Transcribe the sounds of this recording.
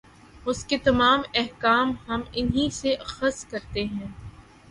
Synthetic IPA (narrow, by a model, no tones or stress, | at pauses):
ʊsket̪ɐmaːmɛɦkaːmɦɐmɪnɦiseʔɐxəst̪kɐɾt̪eɦɛ̃ː